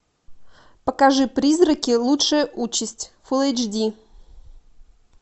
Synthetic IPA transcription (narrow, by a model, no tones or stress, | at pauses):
pəkaʐɨpɾʲizrəkʲɪlˠutʂɨjəʔut͡ɕɪsʲtʲfulˠejd͡ʒdʲi